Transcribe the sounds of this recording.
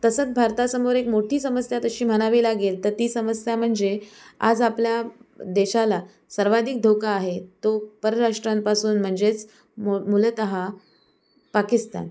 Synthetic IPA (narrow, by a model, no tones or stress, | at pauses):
t̪əsət͡sbʱaɾt̪asəmoɾekmoʈʰiːsəməsjat̪əɕiːm̤əɽ̃aʋiːlaɡiːlt̪əɾt̪iːsəməsjam̤əɳd͡zea̰d͡zapljad̪eɕala | səɾʋad̪ʱik̚d̪ʱokaːɦet̪opəɾəɾaʂʈɾampasuːnm̤əɳd͡zet͡s | momulət̪əɦa | pakist̪a̰n